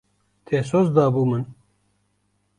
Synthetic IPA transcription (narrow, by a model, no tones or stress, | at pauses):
t̪ʰeːs̬oːzd̪ɑːbuːmɨn